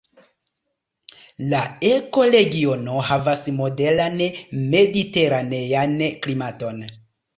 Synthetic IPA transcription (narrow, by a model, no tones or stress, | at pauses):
laeko̞ɾe̞ɡio̞no̞havasmo̞de̞lanme̞dite̞ɾanejanklimato̞n